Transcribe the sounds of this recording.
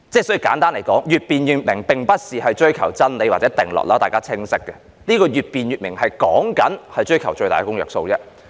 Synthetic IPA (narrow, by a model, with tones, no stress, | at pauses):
t͡sɛː˥sɔ˨˥i˨˩kaː˨˥nt̪aː˥nle˨˩jkɔː˨˥ŋjyː˨t̚piː˨njyː˨˩t̚mɪ˨˩ŋpɪ˨ŋpɐ˥t̚siː˨hɐ˨jt͡ʃɵ˥ɥkʰɐ˨˩wt͡sɐ˥nle˨˧jwaː˨tt͡sɛ˨˦˥t̪ɪ˨˩ŋlɔ̰ː˨k̚lɔː˥t̪aː˨jkaː˥t͡sʰɪ˥ŋsɪ˥kːɛ˧ | niː˥kɔː˧ɥyː˨t̚piː˨njyː˨t̚mɪ˨˩ŋhɐ˨jkɔː˨˥ŋkɐ˨˥nhɐ˨jt͡ʃɵ˥ɥkʰɐ˨˩wt͡ʃɵ˧ɥt̪aː˨˩kʊ˥ŋjœː˨k̚so˧wt͡sɛ˥